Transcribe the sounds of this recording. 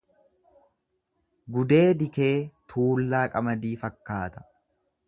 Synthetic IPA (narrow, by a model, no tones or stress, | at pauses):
ɡʊd̪e̞ːd̪ɪke̞ːt̪ʰuːlːaːkʼɐmɐd̪iːfɐkːaːt̪ɐ̥